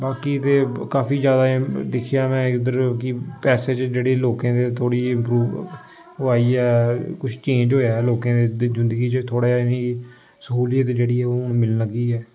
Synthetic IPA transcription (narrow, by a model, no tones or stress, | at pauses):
baːkiːt̪eːkaːpʰiːd͡ʒjaːd̪aːd̪ɪkʰɪjaːmɛ̃ːɪd̪əɾkɪpɛːseːt͡ʃd͡ʒeːɽeːloːkãːd̪eːt̪ʰoːɽiːɪ̃mpɾuː | aːiːɛːkʊt͡ʃʰt͡ʃẽːɲd͡ʒɦoːjaːɛloːkãːd̪eːzɪnd̪əɡiːt͡ʃət̪ʰoːɽaːɪniː | səkuːlijət̪d͡ʒeːɽiːɛːonũːmɪlnləɡiːɛː